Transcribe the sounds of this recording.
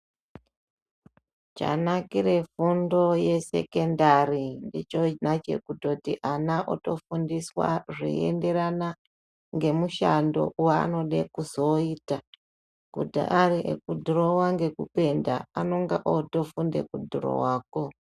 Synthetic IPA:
t͡ʃa̰nakiɾe̞fundo̞je̞se̞̰ke̞ndarindit͡ʃonat͡ʃe̞̰kuto̞tiʔanaʔoto̞fundiswa̰ʐḭḛnde̞ɾana | ŋɡe̞muʃando̞̰waa̰no̞ɗekuzo̞iːta | kudḭʔaɾiʔḛkudʱuɾowaŋɡe̞kupe̞ndaano̞ŋɡaʔoto̞fundḛkudʱuɾo̰waːko̞

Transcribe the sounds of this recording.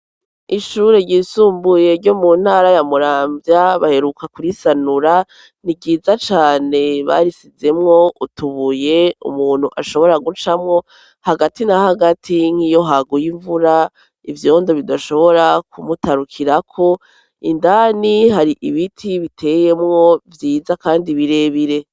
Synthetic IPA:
iʃuɾe̞ɟiːsuːmbuje̞ɾɟo̞mun̥haːɾajamuɾaːmvjaβahe̞ɾukakuɾisanuɾa | niɡiːzat͡ʃaːne̞βa̰ɾisize̞mŋo̞utʰuβuje̞ṵmuːn̥huʔaʃo̞βo̞ɾaɡut͡ʃamŋo̞ | haɡatinahaɡatʰiŋ̥hijo̞ɦaɡujiɱvuɾa | ivjo̞ːndoβidaʃo̞βo̞ɾakʰumutaɾukʰiɾakʰo̞ | ḭndaːniɦaɾiʔiβitʰiβitʰe̞ːje̞mŋo̞vjiːzakaːndiβiɾe̞βiɾe̞

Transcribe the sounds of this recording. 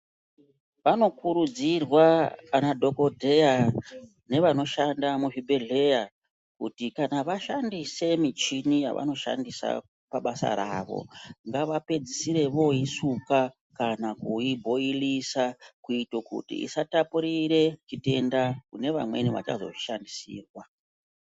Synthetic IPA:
ʋano̞kuɾud͡zirwaːnadʱo̞ko̞dʱe̞ja | ne̞ʋano̞ʃandamuvibʱe̞ɮe̞ja | kutikanaʋaʃandise̞mit͡ʃinija̰ʋʔa̰no̞ʃa̰ndisa̰ | paɓasa̰ɾaːʋo̞̰ŋɡaʋape̞d͡zisiɾe̞ʋo̞isuka | kanakuibʱo̞ilisakuitokṵtḭḭsatapuɾire̞t͡ʃite̞ndakune̞ʋamwe̞̰niʋa̰t͡ʃa̰zo̞̰ʃandisḭːrwa

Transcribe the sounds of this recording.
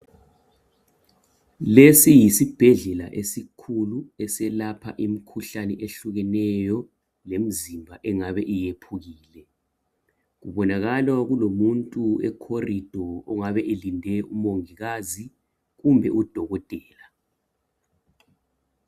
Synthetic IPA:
lesijisib̥ʱɛɮɛlaʔesikʰuluɛsɛlapʰa̰ʔimikʰuɬanɛʔeɬuɣɛnɛjɔ | lem̩zimbʱaʔɛŋaβɛʔijepʰuɣiːlɛ | ɣuβɔnaɣalwaɣulomuntʼuɛkʰorid̥ʱɔɔŋaβɛʔelindʱɛumoŋiɣazi | ɣumbʱɛʔud̥ʱɔɣɔtʼɛːla

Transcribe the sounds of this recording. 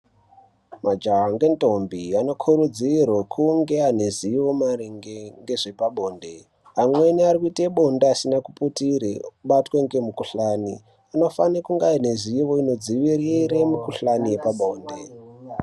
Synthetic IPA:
mad͡ʒaɦaŋɡe̞nto̞mbiano̞kʰuɾud͡zirwokʰuŋɡe̞ane̞ziʋo̞maɾiŋɡeŋɡe̞ʐe̞paɓo̞ːnde̞ | amwe̞niarikuiteɓo̞ndeasinakuputiɾeuɓatweŋɡe̞mukuɬaːni | ano̞fanekuŋɡaine̞ziʋo̞ino̞d͡ziʋiriɾemukuɬanije̞paɓo̞ːnde

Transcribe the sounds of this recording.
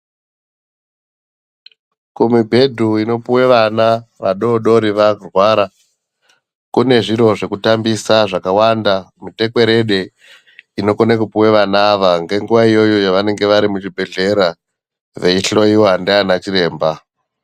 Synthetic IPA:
kumibʱe̞dʱuino̞puwe̞ʋanaʋaɗo̞ɗo̞ɾiʋarwaɾa | kune̞ʐiɾo̞ʐe̞kutambisaʐakawandamite̞kwe̞ɾe̞ɗe̞ | ino̞konekupuweʋanaːʋaŋɡe̞ŋɡuʋaijo̞jo̞jaʋane̞ŋɡe̞ʋaɾimut͡ʃibʱe̞ɮe̞ɾa | ʋe̞iɬo̞iwandianat͡ʃiɾe̞ːmba

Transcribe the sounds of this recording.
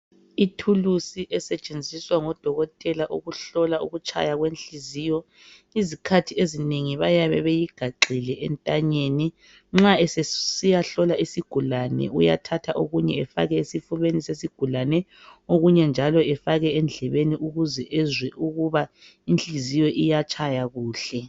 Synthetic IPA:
itʰulusiʔɛsɛt͡ʃʼend͡zʱiswaŋɔd̥ʱɔɣɔtʼɛlaʔṵɣuɬɔlauɣut͡ʃʰʼa̰jaɣwenɬizijɔ | izikʰatʰiezineŋiβajaβɛβejiɡ̥ʱaǃʱilɛʔɛ̰ntʼaɲeni | ŋ͡ǁaɛsɛsijaɬɔlaisiɡ̥ʱulanɛ̰ʔṵja̰tʰatʰaʔoɣuɲɛɛfa̰ɣɛesifuβenisesiɡ̥ʱulanɛ | oɣuɲɛnd͡ʒʱalɔɛfaɣɛɛnd͡ɮʱɛβeniʔuɣuzɛʔɛzwɛʔuɣuβa | inɬʼizijɔʔijat͡ʃʰʼajaɣuːɬɛ

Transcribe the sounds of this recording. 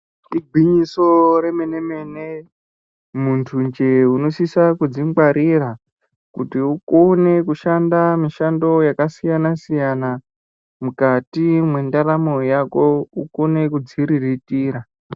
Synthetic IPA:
iɡʱwiɲisoɾemeneme̞ne | muntʰund͡ʒeuno̞sisakud͡zimɡ͡baɾira | kutiuko̞ne̞kuʃandamiʃando̞jakasijanasijana | mukatimwe̞ndaɾamojako̞uko̞ne̞kud͡ziɾiritiːɾa

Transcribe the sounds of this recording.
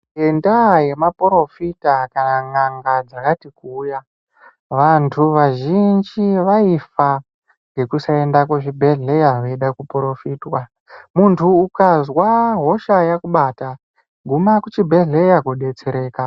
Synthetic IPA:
endaje̞mapuɾo̞fitakanaŋaŋɡad͡zakatikuːja | ʋantʰuʋaʒind͡ʒiʋaifa | ŋɡe̞kusae̞ndakoʐibʱe̞ɮejaʋeiɗakupɾo̞fiːtwa | muntʰuːkazwaɦo̞ʃajakuɓaːta | ɡʱumakut͡ʃibʱe̞ɮe̞jakoɗe̞t͡seɾe̞ːka

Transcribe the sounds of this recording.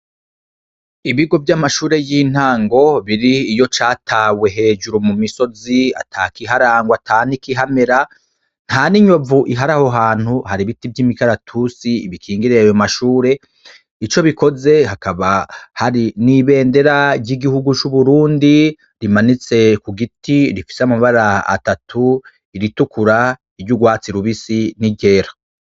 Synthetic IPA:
iβiɡo̞vjamaʃuːɾe̞jin̥haːŋɡo̞βiɾiːjo̞t͡ʃaːtʰawe̞ɦe̞ːd͡ʒuɾomumiso̞zia̰tʰaːkiɦaɾaːŋɡwatʰaːnikiɦame̞ɾa | n̥haniɲo̞vuʔiɦaɾaho̞ɦaːn̥huhaɾiβitivjimikaɾatʰusiːβikʰiːŋɡiɾejajo̞maʃuːɾe̞ | it͡ʃo̞βiko̞ze̞ɦakaβahaɾiniβe̞ːnde̞ɾaɾɟiɡihuɡut͡ʃuβuɾuːndi | ɾimanit͡se̞kuɡitiɾifi̥seamaβaɾaa̰tatʰu | iɾitukuɾa | ibɟuɡwaːt͡siɾuβisiniɟe̞ɾḁ

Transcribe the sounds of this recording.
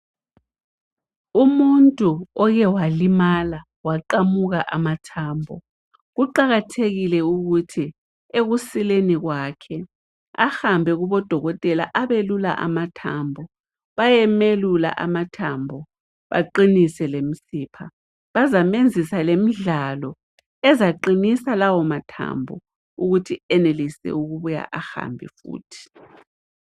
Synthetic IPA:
umuntʼuɔɣɛwalimala | waǃamuɣaʔamatʰaːmbʱɔ̰ | ɣuǃaɣatʰeɣilɛuɣutʰi | eɣusileniɣwakʰɛ | a̰hambʱɛɣuβɔd̥ʱɔɣɔtʼɛlaʔaβelula̰ʔa̰matʰaːmbʱɔ | βajɛmelula̰ʔamatʰambʱɔ | βa̰ǃinisɛlem̩siːpʰa | βazamend͡zʱisalem̩ɮalɔ | ɛzaǃinisalawɔmatʰa̰mbʱɔ̰ | uɣutʰiɛnelisɛ̰uɣuβuja̰ʔaxa̰mbʱḭfṵːtʰi̥

